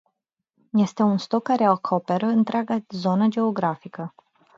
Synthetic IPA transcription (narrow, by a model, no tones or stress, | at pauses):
je̞st̪e̞unst̪o̞kːaɾe̞akʰope̞ɾəɨnt̪ɾeaɡazo̞nəd͡ʒe̞o̞ɡɾafikə